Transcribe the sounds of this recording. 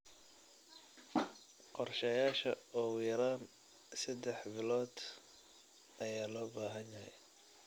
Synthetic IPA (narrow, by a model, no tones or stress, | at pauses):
qɔrʃɐjaːʃɐɔːʊjɐɾaːn | sɐd̪ɛħbɪlɔːd̪ | ɐjaːlɔːbaːɦɐnjɐɦɛ̰j